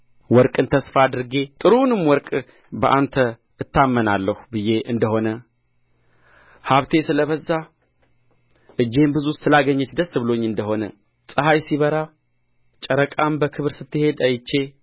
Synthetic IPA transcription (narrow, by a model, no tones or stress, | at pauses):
wɔɾkʼɨnt̪ʰəsfad̪ɨɾɡe̞t̪ʼɨɾunɨmwɔɾkʼ | bəʔa̰nt̪ʰə | ɨt̪ʰːamːənalːəhubɨje̞ʔɨnd̪əho̞nə | haβt̪ʰe̞sɨləβəzːa | ʔɨd͡ʒːe̞mbɨzusɨlaɡəɲːɛt͡ʃd̪əsːɨβɨlo̞ɲːɨnd̪əho̞nə | sʼɨhajsiβəɾa | t͡ʃʼəɾəkʼambəkʰɨβɨɾsɨt̪ːɨhe̞d̪ajɪt͡ʃːe̞